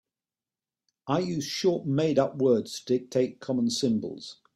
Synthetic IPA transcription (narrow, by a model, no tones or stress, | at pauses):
aɪjʉ̥ʃɔˑʔmeɪɾʌpwɜːdz̥tʰəd̥ɪk̚tʰeɪʔkʰɒmə̃nsɪ̃mbə̰lˠz̥